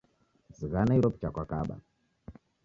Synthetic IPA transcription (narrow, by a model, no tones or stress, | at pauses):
ziɣanauɾɔpt͡ʃakwakaɓa̰